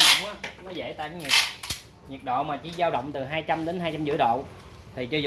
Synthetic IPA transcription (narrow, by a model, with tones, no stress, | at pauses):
ʔaː˨˦nɔ˨˦zḛ˧˥t̪a̰ː˧˨jŋɲi˨˩k̚ | ɲi˨˩ək̚ɗo̰˧˨maː˨˩t͡ɕi˧˦zaː˧wɗə̰˧˨wŋ͡mt̪ɨ˨˩ɦaː˧jt͡ɕa˧mɗe˨˦nɦaː˧jt͡ɕa˧mzɨ̰˧˥əɗo̰˧˨ | t̪ʰi˨˩t͡ɕɔ˧z